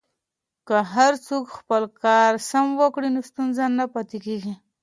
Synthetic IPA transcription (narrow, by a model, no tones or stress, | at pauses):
kaɦaɾt͡sokxpəlkɑɾsamwəkɽinost̪unzanːapat̪ekeɡi